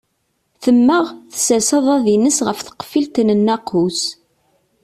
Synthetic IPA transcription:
θəmːəʁθə̥sæsɑðˤæðinəsʁəfθə̥qfilt̪nənːæqus

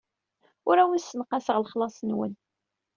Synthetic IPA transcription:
ʊɾæwisːənqːɑsəʁlχlɑsˤnwə̰n

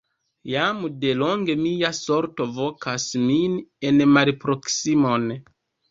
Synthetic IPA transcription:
jamde̞lo̞ŋɡe̞mijaso̞ɾto̞vo̞kasmine̞nmalpɾo̞ksimo̞n

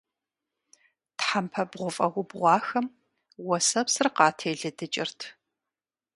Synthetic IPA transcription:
tħampʰɐbʁʷʊfʼɐʁʷʊbʁʷɑːxɐm | wɔsɐpsɨrqɑːtʰeːɮɨdɨt͡ʃʼɪrtʰ

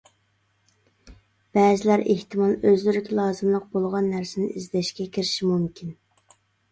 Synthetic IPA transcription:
b̥ɛːzɪlæɾeht̪ʰɨmɑlˠøzlyɾɪkʲʰlˠɑːzɨmlˠəq̚bolˠʁɑnːæɾsɪnɪizd̪ɛʃkʲɛkʲʰiɾɪʃimumkʲʰin

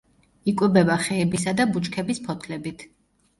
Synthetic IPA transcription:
ikʼwɛbɛbaχɛːbisad̪abut͡ʃʼkʰɛbispʰɔt̪ʰlɛbit̪ʰ

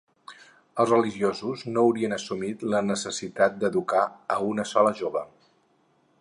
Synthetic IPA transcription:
əlˠzrəliʒiozuznouwɾiənəsumit̪lənəsəsit̪at̪̚d̪əðukaəunəsɔləʒoβə

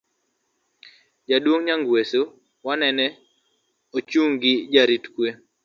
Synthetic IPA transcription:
d͡ʒadwoŋɲaŋɡweso | wanɛnɛ | ot͡ʃuŋɡɪd͡ʒaɾitkwe

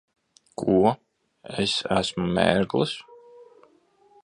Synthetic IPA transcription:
kʰuɔ | esæsmumʲḛːɾɡlˠɨs

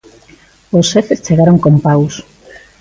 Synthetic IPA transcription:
osːefest͡ʃeɣaɾoŋkompaws

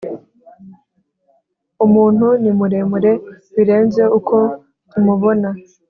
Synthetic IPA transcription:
umuːn̥hunimuɾe̞muɾe̞ | βiɾe̞ːnze̞ukʰo̞ | tumuβo̞na

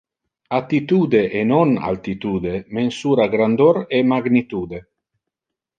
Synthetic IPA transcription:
at̪it̪uːd̪eʔenona̰lt̪it̪uːd̪emensuːɾaɡɾand̪oɾemaɡnit̪uːd̪e

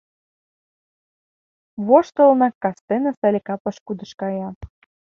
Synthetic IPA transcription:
βoʃt̪ə̆lnɑkːɑst̪enɑsɑlʲekɑpɤ̆ʃkud̪ə̆ʃkɑjɑ

